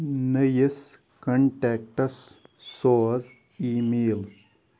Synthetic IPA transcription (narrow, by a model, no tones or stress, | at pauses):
nəjes | kɐɳʈɛːk̚ʈɐsː | oːz | iːmeːl